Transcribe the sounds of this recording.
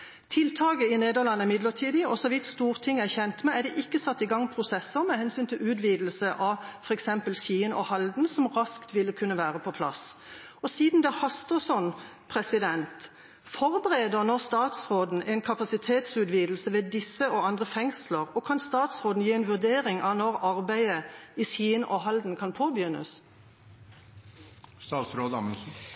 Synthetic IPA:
t̪ʰɪlt̪ʰɑːɡəɪneːd̪əʁlɑnːəɪmɪd̪ləʁʈʰiːd̪ɪɔsɔʋɪt̪st̪uːʁt̪ʰɪŋːæçɛnt̪mɛæd̪ɛʔɪkːəsɑt̪ːɪɡɑŋːpʰɾʊsɛsːəmɛhɛnsyːnt̪ʰɪlʉːt̪ʋiːd̪l̩səʔɑfɔɾɛksɛmpəlɕiːənʔɔhɑld̪n̩sɔmʁɑskt̪ʋɪlːəkʰʉnːəʋæːʁəpʰɔpʰlɑ̰s | ɔsiːd̪n̩d̪ɛhɑst̪əsɔn | pʰʁɛsɪd̪ɛnt̪ | fɔʁbəʁeːd̪əʁnɔʁst̪ɑːt̪sʁoːd̪n̩ʔɛɪnkʰɑpɑsɪt̪ʰeːt̪sʉːt̪ʋiːd̪l̩səʋɛd̪ɪsəɔɑnd̪ʁəfɛŋsləʁɔkʰɑnst̪ɑːt̪sʁoːd̪n̩jiːɛnʋʉʁd̪eːʁɪŋʔɑnɔɾɑʁbæɪəisiːnʔɔɦɑld̪n̩kʰɑnpʰoːbjʏnːə̰s | st̪ɑːt̪sɾoːd̪mə

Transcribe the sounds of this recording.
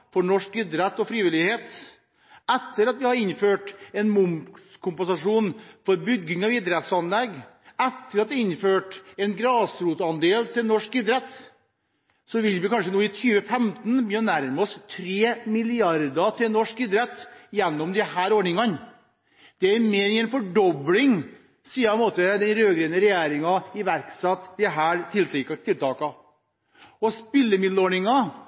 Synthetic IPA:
fɔɳɔʂkɪd̪ɾɛt̪ːɔfɾiːʋɪlɪheːt̪ | ɛt̪ːəɾɑt̪̚ʋɪhɑɾɪnføːʈɛnmʊmskʰʊmpənsɑʂuːnfɔɾbʏɡːɪŋɑʋɪd̪ɾɛt̪sɑnlɛɡ | ɛt̪ːəɾɑt̪̚ʋ̪ɪɪnføːʈɛnɡɾɑːsɾuːt̪əɑnd̪eːlt̪ʰɪlnɔʂkɪd̪ɾɛt̪ | sɔʋɪlʋɪkɑnʂənuːɪt̪ʰyːʋəfɛmt̪nbyːnæɾmɔst̪ʰɾeːmɪlɪɑɾd̪ɑt̪ʰɪlnɔʂkɪd̪ɾɛt̪ːjɛnːɔmd̪ɛhæːɾoːɳɪŋɑn | d̪̥ɛæɾmeːɾɪɛnfɔɖɔblɪŋ | siːɑɛmoːt̪əd̪ɛnɾøːɡɾenəɾɛjeːɾɪŋɑɪʋæɾksɛt̪ːd̪ɛɦæːɾt̪ʰɪlt̪ːkt̪ʰɪlt̪ʰɑːkɑ | ɔspɪlːəmɪd̪loːɳɪŋɑ

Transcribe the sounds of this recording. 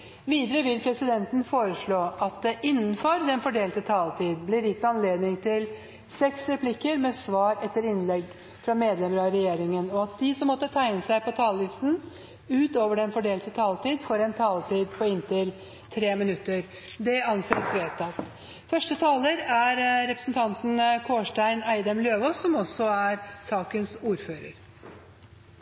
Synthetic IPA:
ʋiːd̪əɾəʋɪlpʰɾɛsɪd̪ɛnt̪ən̩foːɾəʂɭoːʔɑt̪̚d̪ɛʔɪnːn̩fɔɾd̪ɛnfɔɖeːlt̪ət̪ʰɑːlt̪ʰiːd̪blɪɾjɪt̪ːɑnleːd̪nɪŋt̪ʰɪl | sɛksɾɛpʰlɪkːəɾmɛsʋɑːɾɛt̪ːəɾɪnlɛɡ | fɾɑmeːd̪lɛməɾɑɾɛjeːɾɪŋənɔɑt̪̚d̪ɪsɔmːɔt̪ːət̪ʰæɪnəsæɪpɔt̪ʰɑːllɪst̪n̩ | ʉːt̪oːʋəɖɛnfɔɖeːlt̪ət̪ʰɑːlt̪iːd̪fɔɾɛnt̪ʰɑːlət̪ʰiːd̪pʰɔɪnt̪ɪl | t̪ʰɾeːmɪnʉt̪ːəɾ | d̪ɛɑnseːɾsʋeːt̪ɑt̪ | fœʂʈət̪ʰɑːləɾæɾɾɛpɾəsnt̪ʰɑnt̪n̩kʰoːʂʈæɪnæɪd̪əmløːʋosɔmɔsɔæɾsɑːkənsuːɾføːɾə̰ɾ

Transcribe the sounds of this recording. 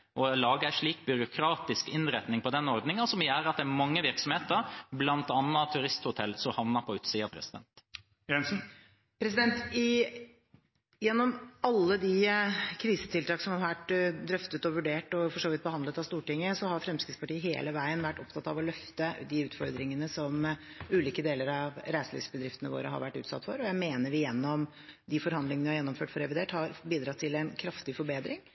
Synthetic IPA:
ʔɔlɑːɡəæɪʂɭiːk̚bʏɾʊkʰɾɑːt̪ɪskɪnɾɛt̪nɪŋpʰɔd̪ɛnɔɾd̪nɪŋəɑnsɔmjæːɾɑt̪̚d̪ɛæmɑŋːəʋɪɾksɔmheːt̪əɾblɑnt̪ɑnːɑt̪ʰʉɾɪst̪hʊt̪ʰɛlsɔmhɑʋnɑɾpʰɔʉːt̪siːɑpʰɾɛ̰sɪd̪ɛ̰nt̪ | jɛns̩ | pʰɾɛsɪd̪ɛnt̪ɪ | jɛnːɔmɑlːəd̪ɪkʰɾiːsə̥t̪ʰɪlt̪ɑːksɔmhɑɾʋæʈːd̪ɾœft̪ət̪ɔʋʉɖeːʈɔfɔʂoːʋɪt̪̚bəhɑnd̪lət̪ɑʋst̪uːʈɪŋːəsɔhɑɾfɾɛmskɾɪd̪spɑʈiːəɦeːləʋæɪənʋæʈːɔpt̪ʰɑt̪ːɑʋɔlœft̪əd̪ɪʉːt̪fɔɾd̪ɾɪŋənəsɔmʉːliːkəd̪eːləɾɑʋɾæɪsəlɭḭːsbəd̪ɾɪft̪ənəʋo̰ːɾə̰ɦɑ̰ɾʋæʈːʉ̰ːt̪sɑ̰t̪ːfɔ̰ɾɔjæɪmeːnəɾʋɪjɛnːɔm | d̪ɪfɔɾhɑnd̪lɪŋənʋɪhɑɾjɛnːɔmføːʈfɔɾɛʋɪd̪eːʈhɑɾbiːd̪ɾɑt̪ʰːɪlɛnkʰɾɑft̪ɪfɔɾbeːd̪ɾɪŋ

